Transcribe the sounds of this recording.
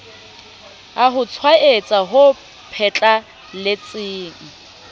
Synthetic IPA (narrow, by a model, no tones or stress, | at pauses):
aɦʊt͡sʰwaʔet͡sʼaɦʊ | pʰɛt͡ɬʼa | lɪt͡sʼɪːŋ̩